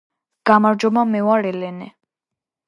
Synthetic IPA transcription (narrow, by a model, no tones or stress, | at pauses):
ɡ̥amaɾd͡ʒɔmamɛwaɾɛlɛnɛ